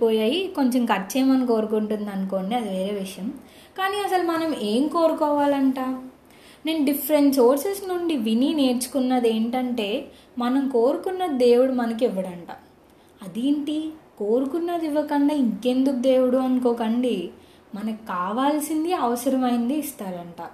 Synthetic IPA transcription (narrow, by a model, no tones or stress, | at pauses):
poːjaːjiko̞ɲt͡ʃemkɐɾt͡ʃeːmɐnɐmko̞ːɾukuɳʈund̪ɐnkoːɳɖiɐd̪iʋe̞ːɾe̞ːʋiʂɐjɐm | kaːniɐsɐlmɐnɐme̞ːmko̞ːɾukɔːʋaːlɐɳʈaː | ne̞ːnɐɖifʰɐɾenʈso̞ːɾsesnuɳɖiʋinine̞ːɾt͡ʃu̥kunːɐd̪e̞ːɳʈɐɳʈe̞ː | mɐnɐmkoːɾukunːɐd̪e̞ːwuɽumɐnɐk̬iʋːɐɽɐɳʈa̰ː | ɐd̪eːɳʈikoːɾukunːɐd̪iʋːɐkɐɳɖaːiŋke̞nd̪ukud̪e̞ːʋuɽuɐnkoːkɐɳɖi | mɐnɐkkaːʋaːlsind̪iɐʋɐsɐɾɐmɐjind̪iːst̪aːɾɐɳʈaː